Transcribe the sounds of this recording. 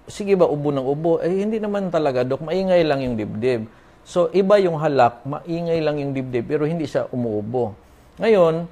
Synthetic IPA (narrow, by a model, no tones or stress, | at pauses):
sɪɡɪbaʔʊbonɐŋʔʊboʔɛjhɪnd̪inɐmant̪ɐlɐɡad̪ok̚mɐʔiːŋajlaŋjʊŋd̪ɪb̚d̪ɛb̚ | so̞ʔɪbajʊŋɦalak̚mɐ̰ʔiːŋajlaŋjʊŋd̪ɪb̚d̪ɪb̚pɛːɾo̞hɪnd̪iʃa̰ʔʊmʊʔʊbo | ŋɐjon